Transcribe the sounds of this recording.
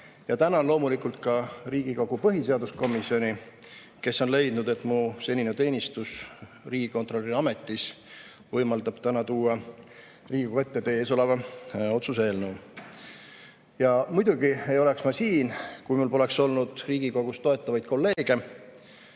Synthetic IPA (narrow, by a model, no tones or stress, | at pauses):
jɑt̪ænɑonlo̞ːmulikult̪̚kɑriːɡ̥iko̞ɡ̥upɤɦise̞ɑd̪usko̞misio̞nʲi | ke̞sːo̞nle̞jd̪nud̪e̞t̪ˑmuse̞nʲinet̪e̞ːnʲist̪us | riːɡ̥iko̞nt̪ro̞lʲːiɑme̞t̪ːˑis | vɤjmɑld̪̥ɑb̥t̪ænɑt̪uːɑ | riːɡ̥ikoet̪ːe̞t̪e̞ːso̞levɑo̞t̪sus̬e̞ːlnuː | jɑmujd̪̥uɡ̥ie̞jo̞le̞ksmɑsiːnkujmulpo̞le̞kso̞lnud̪̥riːɡ̥iko̞ɡ̥ust̪o̞e̞t̪ːˑɑvɑjd̪̥̚ko̞lːe̞ːɡ̥e̞